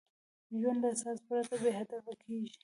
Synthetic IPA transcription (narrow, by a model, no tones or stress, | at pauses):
ʒwand̪asɑspɾat̪abeɦad̪afakʰeʒi̥